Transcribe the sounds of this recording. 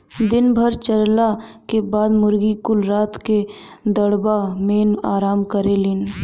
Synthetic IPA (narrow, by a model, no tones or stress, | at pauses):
d̪ɪnbʱəɾt͡ʃəɾlakebaːd̪mʊɾɡikʊlɾaːt̪ked̪əɽbameːnaːɾaːmkəɾelɪn